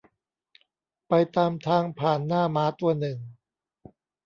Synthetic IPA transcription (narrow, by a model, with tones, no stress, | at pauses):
pa˧jt̪aː˧mt̪ʰaː˧ŋpʰaː˨˩nːaː˥˩maː˦˥t̪u˧ɐnɯ˨˩ŋ